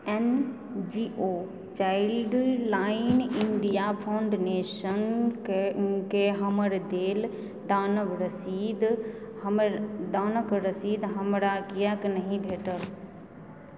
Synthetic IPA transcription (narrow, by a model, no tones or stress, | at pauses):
ɛn | d͡ʒiːʔo | t͡ʃaːɪlɖlaːɪnɪɳɖijapʰãʊɳɖneːʃənkkeɦɐməɾd̪eːl | d̪aːnəʋɾɐsiːd̪ | d̪aːnəkɾɐsiːd̪ɦɐmɾakijaknɐɦĩbʱeːʈəl